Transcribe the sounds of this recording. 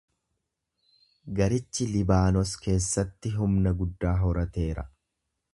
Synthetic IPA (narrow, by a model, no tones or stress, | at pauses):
ɡɐɾɪt͡ʃːɪlɪbaːnɔske̞ːsːɐt̪ːɪɦʊmnɐɡʊd̪ːaːɦɔɾɐt̪e̞ːɾɐ̰